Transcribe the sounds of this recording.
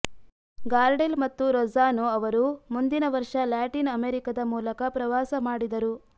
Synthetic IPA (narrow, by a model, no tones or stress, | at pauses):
ɡaːɾɖelmɐt̪ːuɾozaːnoɐʋɐɾumund̪inɐʋɐɾʂɐlaːʈinɐmeːɾikɐd̪ɐmuːlɐkɐpɾɐʋaːsɐmaːɽid̪ɐɾu